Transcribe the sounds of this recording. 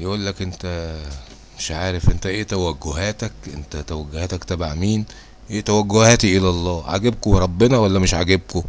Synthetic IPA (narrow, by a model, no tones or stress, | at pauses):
jeʔuːlːækʔent̪æ | meʃʕaːɾefʔent̪æʔeːt̪æwæɡːoɦæːt̪ækʔent̪æt̪æwæɡːohæːt̪ækt̪æbeʕmiːn | ʔeːt̪æwæɡːohæːt̪iʔelælˤːɑːʕa̰ɡeb̚koɾˤɑbːenɑwælːæmeʃʕaɡeb̚ko